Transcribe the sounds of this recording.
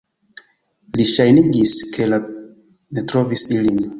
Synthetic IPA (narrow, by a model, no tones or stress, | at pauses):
liʃajniɡiskʰela | netɾovisilin